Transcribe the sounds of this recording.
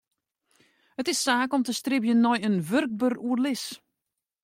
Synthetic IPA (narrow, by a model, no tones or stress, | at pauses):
hətɪsːaːkɔmtəstrɪbjənːɔjənʋørk̚børuərlɪs